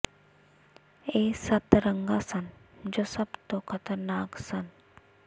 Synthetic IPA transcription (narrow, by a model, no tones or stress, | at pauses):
eːsɐt̪ɾəŋɡasɐnd͡ʒosɐbt̪okʰɐt̪əɾnaːksɐn